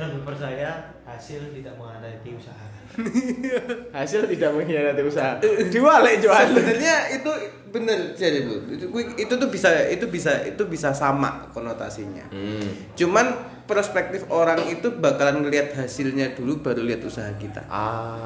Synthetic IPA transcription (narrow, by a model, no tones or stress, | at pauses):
ɾabəpərt͡ʃaja | hasɪlt̪idaʔməŋadat̪iusaɦa | hasɪlt̪idaʔməŋɦinadat̪iusaɦadiwaleʔd͡ʒoanbənərɲait̪u | bənərd͡ʒadibuit̪ut̪̬ubisait̪ubisaḭt̪ubisasama̰kɔnot̪a̰siɲa̰ | t͡ʃuman | pəɾspɛk̚t̪ɪfoɾaŋit̪ubakalanŋəliɦat̪̚ɦasɪlɲadulubaɾuliɦat̪usaɦakit̪a̰